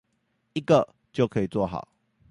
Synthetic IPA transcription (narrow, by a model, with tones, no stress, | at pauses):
i˦ɡə˨ | t͡ɕjo˥˩ʊkʰə˧˦˧i˨t͡swɔ˥˨˩xɑ̰˨˩˦ʊ